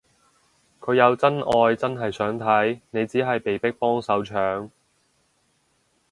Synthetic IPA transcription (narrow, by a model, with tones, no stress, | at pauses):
kʰɵ˨˧ɥjɐ˨˧wt͡sɐ˥nɔː˧jt͡sɐ˥nɦɐ˨jsœː˨˥ŋt̪ʰɐ˨˥jne˨˧jt͡siː˨˥ɦɐ˨jpe˨jpɪ˥k̚pɔː˥ŋsɐ˨˥wt͡ʃʰœː˨˥ŋ